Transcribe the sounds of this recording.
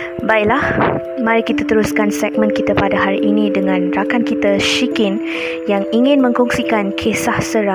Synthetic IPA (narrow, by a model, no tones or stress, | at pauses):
baiʔlah | mãɾikit̪at̪əɾuskansɛk̚mə̃nkit̪apadaɦaɾiʔinĩdəŋãnrakankit̪aʃikɪn | jaŋiŋɪ̃nmə̃ŋkɔŋsikankʰesahsəɾa